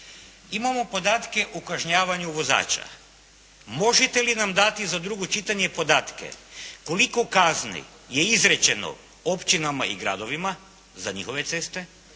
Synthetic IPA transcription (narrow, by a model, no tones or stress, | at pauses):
imamo̞po̞d̪aːt̪ke̞ʔukaʒɲaːʋaɲuʋo̞za̰ːt͡ʃa̰ | mo̞ʒet̪e̞linamd̪at̪izad̪ɾuɡot͡ʃit̪aɲe̞po̞d̪aːt̪ke̞̰ko̞likokaznḭ | je̞izɾet͡ɕe̞no̰ | o̞pt͡ʃinamaḭɡɾa̰d̪o̞ʋima | zaɲixo̞ʋe̞t̪se̞st̪e̞